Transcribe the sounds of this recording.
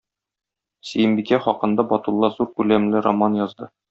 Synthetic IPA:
sɘ̆jɘ̆mbikæχɒqɤ̆nd̪ɑbɒt̪ulˠːɑzuɾkʉlæmlɘɾomɑnjɒzd̪ɤ

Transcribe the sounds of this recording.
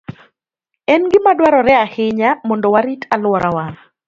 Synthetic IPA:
ɛnɡɪmadwaɾɔɾɛahɪɲamɔndɔwaɾitalwɔɾʔawa

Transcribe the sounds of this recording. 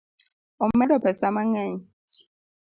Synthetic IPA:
ɔmmɛdɔpʰɛsamaŋɛɲ

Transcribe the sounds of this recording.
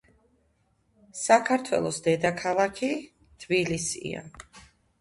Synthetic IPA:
sakʰaɾt̪ʰwɛ̰lˠɔsd̪ɛd̪akʰalˠakʰi | t̪ʰbilisḭa̰

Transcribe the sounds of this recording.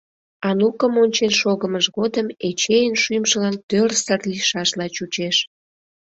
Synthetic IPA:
ɑnukəmonʲt͡ɕenʃoɣəməʃɣod̪əmet͡ɕejənʃymʒəlɑnt̪ørsərliʃɑʃlɑt͡ɕut͡ɕeʃ

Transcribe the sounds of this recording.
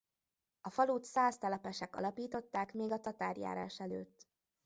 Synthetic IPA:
ɒfɒluːt̪saːst̪ɒlɒpɛʃɛkɒ̰lɒpiːt̪o̞t̪ːaːkmeːɡɒt̪ɒt̪a̰ːrja̰ːɾa̰ːʃɛlø̰ːt̪ː

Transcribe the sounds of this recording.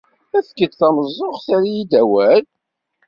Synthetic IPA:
æθkːəd̪θɑməzˤːoχθæɾijid̪æwæl

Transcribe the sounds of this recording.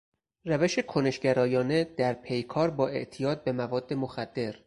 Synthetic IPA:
ræve̞ʃe̞kʰone̞ʃɟæɾɒːjɒːne̞d̪æɾpʰe̞jkʰɒːɾbɒːe̞̰ʔt̪ʰijɒːd̪̚be̞mævɒːd̪ːe̞moxæd̪̥ːe̞ɾ

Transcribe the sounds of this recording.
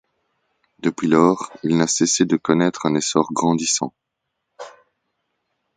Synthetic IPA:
d̪əpɥilɔːʁilnasesed̪əkɔnɛt̪χɛ̃nesɔʁɡʁɑ̃d̪isɑ̰̃

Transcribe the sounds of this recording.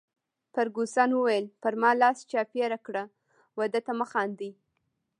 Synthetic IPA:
pəɾɡusɑnwəwajəlpəɾmɑlɑst͡ʃɑpjaɾakɽa | wad̪at̪aməxɑnd̪ij

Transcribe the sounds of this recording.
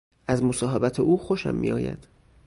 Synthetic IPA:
ʔæzmosɒːɦebæt̪ʰeʔuːxoʃæ̰mːḭjɒ̰ːjæ̰d̪̥

